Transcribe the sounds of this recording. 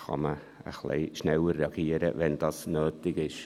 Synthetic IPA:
xɔ̰mə | ə̰xlḛjʃnɛwəɾɑɡiːɾə̰vɛndɔsnøːtɪɡɪʃ

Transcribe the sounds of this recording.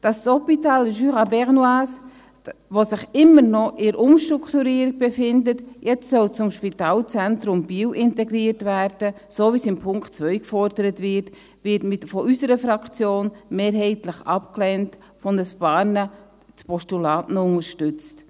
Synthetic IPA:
d̥ɑssɔpitaːlʒyʁabɛʁnwaːs | ʋosɪχɪmːəɾnɔʔɪɾʔʊmʃtɾukʰtuɾiːəɾiɡ̚b̥efɪndətjɛt͡stsœlt͡sʊmʃpitaːlt͡sɛntɾʊmb̥iːwʔɪntɛɡɾiːəɾtvæɾd̥əsoːvisɪmpʰʊŋktt͡svœʏkfɔɾdəɾətvɪɾt | vɪtmɪtfɔʔysəɾəfɾɑkt͡sjoːnmeːɾɦɛɪtləχɑpklɛnt | fɔnəsb̥ɑːɾnə | t͡spʰɔstulɑːtnɔʊnəɾʃtʏt͡st

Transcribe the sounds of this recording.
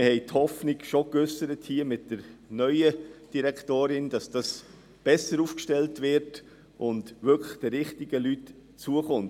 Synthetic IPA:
mhɛɪthɔfnɪɡʃokʏsəɾəthiːmɪt̚d̥əɾnœʏəd̥iɾɛktoːɾɪnd̥ɑsd̥ɑs | b̥ɛsəɾuːfkʃtɛltvɪɾt | ʔʊntvʏkʰləχd̥ɛɾɪχtɪɡəlyt | t͡suəχʊnt

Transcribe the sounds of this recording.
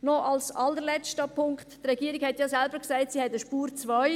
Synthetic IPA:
nɔʔɑlsɑlːəɾlɛt͡ʃtəpʰʊŋkttrɛɡiːəɾiɡhɛtjɑsɛlbəɾksæɪtsihɛtəʃpuːɾt͡sʋœʏ

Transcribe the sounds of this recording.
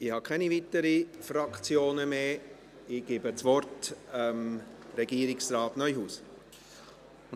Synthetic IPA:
ɪhɑkʰɛnivitəɾifɾɑkt͡sjoːnəmeː | ɪɡ̥eːbət͡svɔrtəmɾɛɡiːɾɪksrɑːtnœʏjɦuːs

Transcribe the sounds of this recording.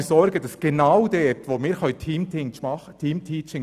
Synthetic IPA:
sɔɾɡəd̥ɑsɡ̥enaʊdɛːt̪ʋoːmɪːhœʏt̪ʰiːmtʰimɑχt̪ʰiːmt̪ʰiːt͡ʃɪŋ

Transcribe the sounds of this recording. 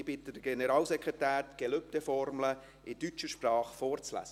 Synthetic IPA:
b̥ɪtːəd̥əɡ̥enəɾɑːlsɛkʁetæːɾtɡ̥ɛløptefɔɾmlə | ʔɪtyt͡ʃəʃprɑːχfɔːɾt͡slæ̰sə

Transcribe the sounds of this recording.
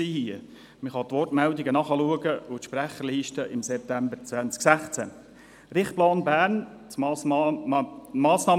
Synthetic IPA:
iːhiə | məχɑt̪ʋɔrtmældɪɡənɑχəluəɡəʊt̪ʃpɾæχəɾliːʃtəʔɪmsɛp̚tæmbəɾt͡svænt͡sksæχt͡sæ | rɪχplɑːnbæːɾn | t͡sː | mɑːsnɑː

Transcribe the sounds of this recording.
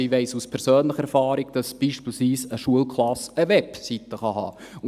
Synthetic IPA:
iʋɛɪsuspʰɛɾsøːnləχəɛɾfɑːɾɪɡd̥ɑsb̥iːʃpiːlsʋiːsəʃuəlkχlɑsəʋɛpsit̪əχɑɦɑ̰ː

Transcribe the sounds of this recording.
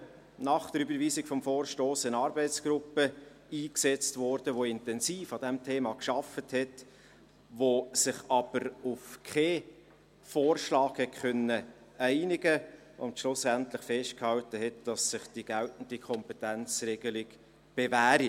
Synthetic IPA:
nɑχd̥əɾybəɾviːsɪɡ̥fɔmfoːrʃtoːsɪnɑːɾbɛɪt͡sɡ̥ɾʊpə | iːksɛt͡stvɔɾd̥əʋoɪntɛnsiːfɑd̥ɛmtʰeːmɑkʃɑfəthɛt | ʋosɪχɑb̥əɾʊfkʰeː | foːrʃlɑːkhɛtkœnːə | æɪnɪɡə | ʊ̰ntʃlʊsæntlɪχfɛʃt̚khɑltəɦɛtd̥ɑsːɪχd̥iɡ̥æltn̩dikʰɔmpɛtænt͡sreɡ̥əlɪɡ | b̥evæːɾi

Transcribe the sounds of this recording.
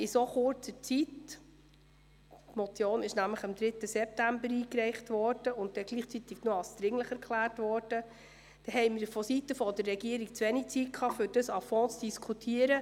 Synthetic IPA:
ɪsoχʊɾt͡sət͡sit | tmɔt͡sjoːnɪʃnæmləχɪmd̪ɾɪtːəsɛp̚tæmbəɾiːkɾɛɪχtʋɔɾd̥əʊnttːɛɡ̥liːχt͡sit̪ɪɡnuɑlsd̥̪ɾɪŋləχɛɾkχlæːrtvʋɔːɾd̥ə | d̥ɛɦɛɪmɪdəfɔsitəfɔd̥ərːɛɡiəɾiɡ̚t͡sʋenik̚t͡sit̚kʰɑːfyɾd̥əsɑfɔ̃ːt͡sd̥iskʰutʰiːəɾə

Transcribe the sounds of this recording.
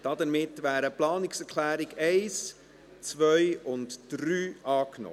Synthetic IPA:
d̥ɑdəɾmɪtːʋæːɾəplɑːnɪksɛɾkʰlæːɾɪɡɛɪs | t͡svœjʊntd̥ɾyːɑːknɔ̰

